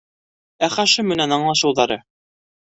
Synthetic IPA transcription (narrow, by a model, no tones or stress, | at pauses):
æχæʃɘmɘ̆nænɑɴlˠɑʃɤ̆wðɑɾɤ